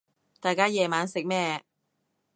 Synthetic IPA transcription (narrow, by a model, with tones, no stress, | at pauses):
t̪aː˨jkaː˥jɛː˨maː˨˥nsɪ˨k̚mɛː˥